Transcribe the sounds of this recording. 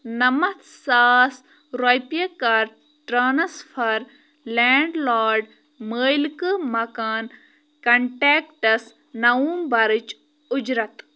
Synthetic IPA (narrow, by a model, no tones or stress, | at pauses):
nɐmɐt̪saːs | ɾojpjɐkɐɾ | ʈɾaːnɐsfʰɐɾ | leːɳɖlaːɾɖ | məːjlkɨmɐkaːn | kɐɳʈeːkʈɐs | nɐuːmbɐɾɨt͡ʃ | ʊd͡ʒɾɐt̪